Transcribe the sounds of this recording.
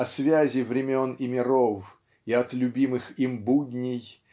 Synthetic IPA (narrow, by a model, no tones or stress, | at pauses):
ɐsvʲæzʲɪvɾʲɪmʲonɪmʲɪɾof | iɐt̪lʲʊbʲimɨximbud̪ʲnʲɪj